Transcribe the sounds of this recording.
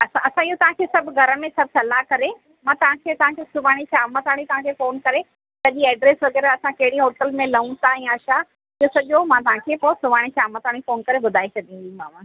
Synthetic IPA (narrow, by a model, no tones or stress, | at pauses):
ɐsãɐsãiɦot̪ɐʋ̤ãkʰeːsɐbʱʊɡʱɐɾəmẽsɐb̚ʱsɐlaːkɐɾe | mãːt̪ɐʋ̤ãkʰeːt̪ɐʋ̤ɦãkʰesʊʋaːɽ̃iʃaːmat̪aːɽ̃it̪ɐʋ̤ãkʰeːfoːnkɐɾe | sɐʄiɛːɖɾeːsʋɐɡɛːɾaɐsãkɐɦɪɽiɦoːʈəlmẽlɐũt̪aɛ̃ːaːʃa | ɪosɐʄomãt̪̬ɐɦãkʰeːposʊʋaːɽ̃iʃaːmət̪aːɽ̃ifoːnkɐɾebʊd̪ʱaːet͡ɕʰɐd̪ĩɡĩmaːmãː